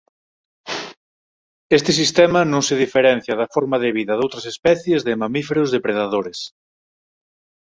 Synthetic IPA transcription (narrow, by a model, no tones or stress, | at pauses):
est̪es̬ist̪ɛmanõŋseðifeɾɛn̟θjɐðɐfoɾmaðeβ̞iðɐðowt̪ɾɐsespɛθjezðemamifeɾozðepɾeðaðoɾes